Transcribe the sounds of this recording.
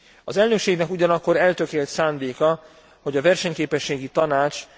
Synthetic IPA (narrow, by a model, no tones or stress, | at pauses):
ɒzɛlnøkʃeːɡnɛkuɟɒnɒkːo̞ɾɛlt̪økeːlt̪saːnd̪eːkɒ | ho̞ɟɒvɛrʃɛɲkeːpɛʃːeːɡit̪ɒnaːt͡ʃ